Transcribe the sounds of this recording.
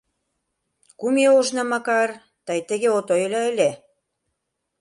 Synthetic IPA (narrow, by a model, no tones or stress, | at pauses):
kumeoʒnɑmɑkɑr | t̪ɑjt̪ə̆ɣeot̪ojelɑə̆lʲe